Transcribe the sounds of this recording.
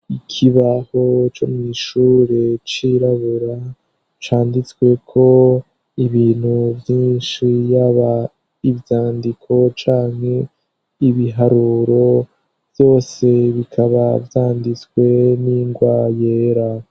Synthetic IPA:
ikʰiβaho̞t͡ʃo̞̰mŋiːʃuːɾe̞t͡ʃiɾaβuɾa | t͡ʃaːndit͡swe̞kʰo̞ | iβiːn̥huvjiːnʃijaβa | ivjaːndikʰo̞t͡ʃaːŋ̥he̞ | iβiɦaɾuɾo̞ | vjo̞ːse̞βikʰaβavjaːndit͡skwe̞niŋɡwajeːɾa

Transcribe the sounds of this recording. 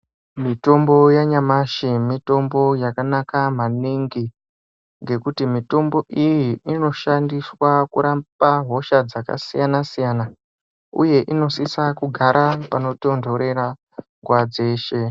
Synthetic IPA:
mito̞mbo̞jaɲamaʃimito̞mbo̞jakanakam̤aniŋɡi | ŋɡe̞kutimito̞mbo̞ʔijiːno̞ʃandiswakṵɾapaɦo̞ʃad͡zaka̰sijanasijana | ṵje̞ʔino̞sisakuɡʱaɾʔapano̞to̞ndʱo̞ɾe̞ɾa | ŋɡwad͡ze̞ːʃe̞

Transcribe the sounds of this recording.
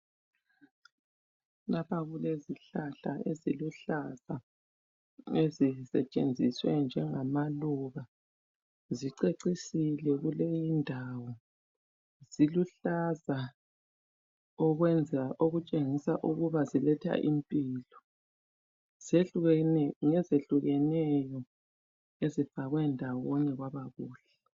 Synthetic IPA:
lapʰaɣuleziɬaɬaeziluɬaz̥a | ezisɛt͡ʃʼend͡zʱiswɛnd͡ʒʱɛŋamaluɣa | ziǀeǀisilɛɣulejindʱawɔ | z̥iluɬaza | ɔɣwɛnd͡zʱaʔoɣut͡ʃʼeŋisaʔuɣuβazilɛtʰa̰ʔimpʼilɔ | z̥e | ŋɛzeɬuɣɛnɛjɔ | ezifaɣwɛndʱawɔɔɲɛɣwaβaɣuːɬɛ

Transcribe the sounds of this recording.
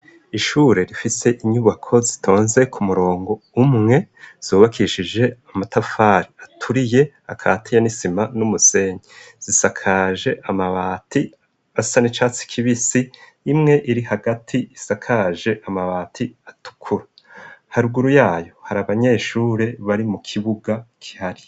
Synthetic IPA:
iʃuːɾe̞ɾifise̞ʔiɲuβakʰo̞zitʰo̞ːnze̞kʰumuɾo̞ːŋɡo̞umŋe̞z̥uːβakiʃid͡ʒe̞amatafaːɾiatʰuɾije̞ | a̰kʰa̰ːtʰijanisimanumuse̞ːɲe | z̥isakʰaːʒe̞ʔamaβaːtʰi | asanit͡ʃaːt͡si̥kʰiβisiː | mŋe̞ʔiɾihaɡatʰiːsakʰaʒe̞ʔamaβaːtʰiatu̥kʰuɾa | haɾuɡuɾujaːjo̞haɾaβaɲe̞ːʃuːɾe̞βaɾimukʰiβuɡakʰi̥haɾi

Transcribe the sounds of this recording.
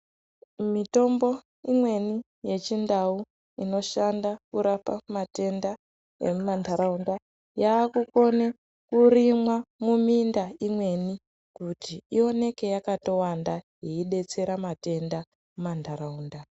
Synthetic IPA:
mito̞mbo̞ | imwe̞ni | je̞t͡ʃindau | ino̞ʃandakuɾapamate̞nda | emumandʱaɾaunda | jaːkuko̞ne | kurimwamumindaimwe̞ni | kutiio̞ne̞ke̞jakato̞wandajeiɗe̞t͡se̞ɾamate̞nda | mumandʱaɾauːnda

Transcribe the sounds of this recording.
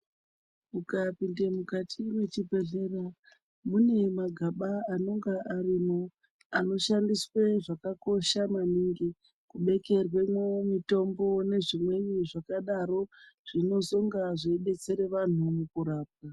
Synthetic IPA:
mukapindemukatʰiwet͡ʃibʱe̞ɮe̞ra | mune̞maɡʱaɓaano̞ŋɡaʔarimo | ano̞ʃandisweʐakako̞ʃamaniŋɡi | kuɓe̞ke̞rwe̞mwemito̞mbo̞ne̞ʐimwe̞ɲiʐakaɗaɾo̞ʐ̥ino̞zo̞ŋɡaʐeɓe̞t͡se̞ɾe̞ʋan̤umukuɾaːp̚a

